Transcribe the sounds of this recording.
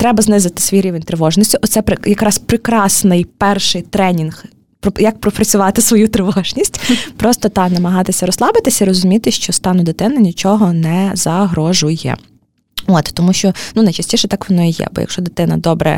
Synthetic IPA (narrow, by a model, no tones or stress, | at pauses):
t̪ɾɛbɐznɪzɪt̪ɪ̥sʋʲijɾʲiʋenʲt̪ɾɪʋɔʒnʲisʲtʲʊʔɔt̪sɛpɾɪjɐkɾɑspɾɪkɾɑsnɪjpɛrʃɪjt̪ɾɛnʲinx | pɾɔjɐk̚pɾɔpɾɐt͡sʲʊʋɑt̪ɪsʋɔjut̪ɾɪʋɔʒnʲisʲtʲpɾɔst̪ɔt̪ɑnɐmɐɦɑt̪ɪsʲɐɾɔslˠɑbɪt̪ɪsʲɐiɾɔzʊmʲit̪ɪʃt͡ʃɔst̪ɑnʊd̪ɪt̪ɪnɐnʲit͡ʃɔɦɔnɛzɐɦɾɔʒʊjɛ̰ | ɔt̪t̪ɔmuʃt͡ʃɔnunɐjt͡ʃɐsʲtʲiʃɛt̪ɑkʋɔnɔijɛ̰bɔ̰jɐ̰kʃt͡ʃɔd̪ɪt̪ɪnɐ̰d̪ɔbɾɛ̰